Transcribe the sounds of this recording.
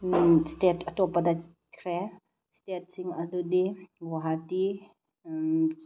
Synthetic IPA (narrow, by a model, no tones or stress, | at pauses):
stɛtʰɐtɔpada | kʰɾɛ | stet̚siŋadudiɡɔɦati